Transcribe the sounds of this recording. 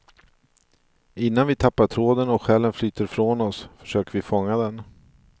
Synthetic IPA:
ɪnːanvɪt̪ʰapːaʈʰɾoːd̪ənɔkɧɛːlːənflyːt̪əɾfɾoːnɔsfœ̥ʂøːkəɾvɪfɔŋːad̪ɛn

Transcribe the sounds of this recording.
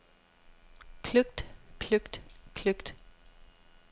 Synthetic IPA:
kʰlʉkt̪kʰlʉkt̪kʰlʉkt̪

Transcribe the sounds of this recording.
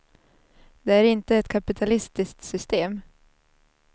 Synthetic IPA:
d̪̥ɛæɾɪnt̪əɛt̪kʰapɪt̪ʰalɪst̪ɪsk̚t̪sʏst̪eːm

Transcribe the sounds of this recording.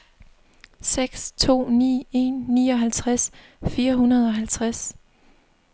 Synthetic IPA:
seɡ̥st͡sʰo̝̰ːnḭːe̝nːḭːɒ̽ɦælt͡sʰʁas | fiːɐɦunɐð̞̩ˠɒ̽ɦælt͡sʰʁas

